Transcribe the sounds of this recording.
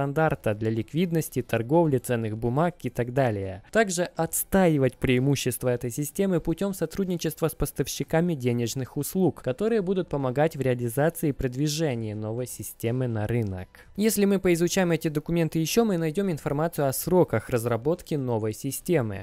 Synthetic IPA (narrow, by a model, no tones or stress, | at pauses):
ɐnd̪art̪əd̪lʲɐlʲɪkvʲid̪nəsʲtʲɪt̪ɐrɡo̞vlʲɪt̪sɛnːɨxbʊmakɪt̪ɐɡd̪alʲɪjət̪aɡʐɨʔɐt̪st̪ajɪvətʲpɾʲɪɪmuɕːɪst̪vəɛt̪əjsʲɪsʲtʲe̞mɨpʊtʲo̞msɐt̪ɾudʲnʲɪt͡ɕɪst̪vəspəst̪əfɕːɪkamʲɪdʲenʲɪʐnɨxʊslˠukkɐt̪o̞ɾɨjəbud̪ʊt̪̚pəmɐɡatʲvɾʲɪɐlʲɪzat̪sɨɪːpɾəd̪vʲɪʐɛnʲɪɪno̞vəjsʲɪsʲtʲemɨnɐɾɨnə̰k | jesʲlʲɪmɨpəɪzʊt͡ɕajɪmɛtʲɪd̪əkʊmʲe̞nt̪ɨjɪɕːo̞mɨnɐjdʲo̞mɪnfɐrmat̪sɨjʊɐsɾo̞kəxrəzrɐbo̞t̪kʲɪno̞vəjsʲɪsʲtʲemɨ̰